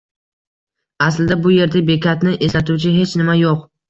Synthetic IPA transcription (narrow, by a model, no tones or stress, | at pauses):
aslɪd̪abʊje̞ɾd̪abe̞kʲat̪nɪʔeslat̪ʰuwt͡ʃʰɪɦe̞t͡ʃnɪmajoq